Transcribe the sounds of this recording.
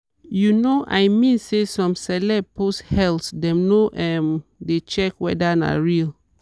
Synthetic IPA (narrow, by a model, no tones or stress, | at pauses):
junoʔa̰jmĩnsesɔ̃msɛlɛposhɛlsdɛ̃mnoʔɛmdet͡ʃɛkwɛ̰dana̰ɹil